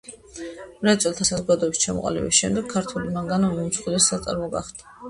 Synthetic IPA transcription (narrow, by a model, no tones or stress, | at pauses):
ɾat̪sʼɛlˠt̪ʰasazɔɡad̪ɔɛbist͡ʃʰamɔ̰qʼa̰lḭbḭsʃɛmd̪ɛɡ̚kʰːaɾt̪ʰulimaŋɡanɔnimsχilɛssat̪sʼa̰ɾmɔɡa̰χd̪̥a